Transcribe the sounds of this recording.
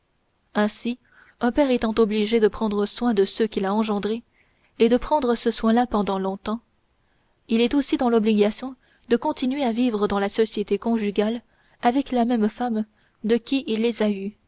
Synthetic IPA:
ɛ̃si | ɛ̃pɛʁet̪ɑ̃t̪ɔbliʒed̪əpχɑ̃d̪ʁəswɛ̃d̪əsøkʲilaɑ̃ʒɑ̃d̪ʁe | ed̪əpχɑ̃d̪ʁəsəswɛ̃lapɑ̃d̪ɑ̃lɔ̃t̪ɑ̃ | ilɛt̪osid̪ɑ̃lɔbliɡasjɔ̃ | d̪əkɔ̃t̪inɥeavivʁəd̪ɑ̃lasɔsjet̪ekɔ̃ʒyɡʲal | avɛklamɛmfam | d̪əkʲiʔilːezay

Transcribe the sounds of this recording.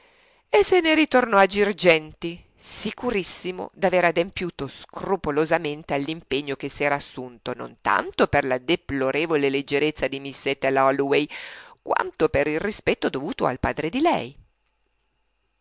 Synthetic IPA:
esːeneɾit̪ornɔad͡ʒird͡ʒɛnt̪i | sikuɾisːimo̰d̪aveːɾad̪empjuːt̪oskrupolozament̪ealːimpeɲːok̟esːɛːɾaːsːunt̪ono̰nt̪a̰nt̪operlad̪eploɾeːvoleled͡ʒːeɾet̪sːad̪imisːet̪ːelɔlwejkwa̰nt̪opeɾilrispɛt̪ːod̪ovuːt̪oa̰lpa̰ːd̪ɾed̪ilɛ̰j

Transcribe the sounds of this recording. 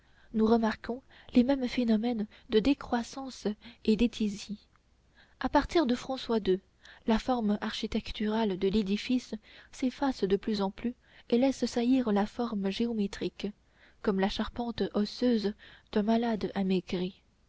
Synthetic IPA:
nuʁəmaʁkʰɔ̃ | lemɛmfenɔmɛn | d̪əd̪ekχwasɑ̃sed̪et̪ʰizi | apaʁt̪iʁd̪əfχɑ̃swad̪ø | lafɔʁmaʁʃit̪ɛkt̪yʁald̪əled̪ifisːefasd̪əplyzɑ̃ply | elɛssajiʁlafɔʁmʒeɔmet̪χik | kɔmlaʃaʁpɑ̃t̪ɔsøzd̪̥ɛ̃malad̪ameɡʁi

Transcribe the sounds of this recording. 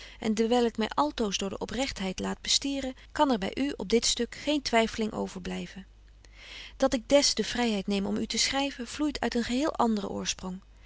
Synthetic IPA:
ʔɛ̰ndəɹʋɛjlˠɪkmɛjʔɑlˠtowzdʊːɹdə̰ʔɔprɛχtɦɛjtlaːd̚bəstiːrə | kɑnɛɹbɛ̰jʔyɔb̚dɪtstɵkχejntʋɛjfəlɪŋʔo̰wv̥əɹblɛjvən | d̥ɑtɪɡ̚dɛsd̥əv̥rɛjɦɛjtnejmɔmytəsχrɛjvənv̥lujtʰœ̰ɥtənχəɦɪːlˠʔɑndərə̰ʔʊ̰ːɹsprɔŋ

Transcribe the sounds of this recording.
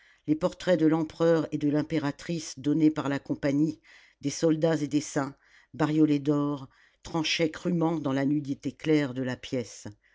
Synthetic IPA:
lepɔʁt̪χɛd̪əlɑ̃pχœʁed̪əlɛ̃peʁat̪χisd̪ɔnepaʁlakɔ̃paɲi | d̪esɔld̪azed̪esɛ̃ | baʁjɔlɛd̪ɔʁ | t̪χɑ̃ʃɛkχymɑ̃d̪ɑ̃lanyd̪it̪eklɛʁd̪əlapjɛs

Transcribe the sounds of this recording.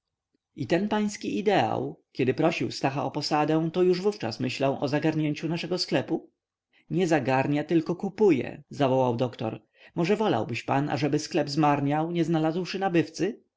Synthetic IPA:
it̪ɛnpaj̃skʲiʔid̪ɛa̰wkʲɛd̪ɘpɾɔɕḭwst̪axaɔpɔsad̪ɛ̃t̪ɔjuʐvuft͡ʂa̰smɘɕlawʔɔzaɡaɾɲeɲt͡ɕunaʂɛɡɔsklɛpu | ɲɛzaɡaɾɲat̪ɘlkɔkupujɛ̰zavɔwawd̪ɔkt̪ɔ̰ɾ | mɔʐɛvɔla̰wbɘɕpana̰ʐɛbɘsklɛbzmaɾɲawɲɛznalazwʂɘnabɘft̪sɘ

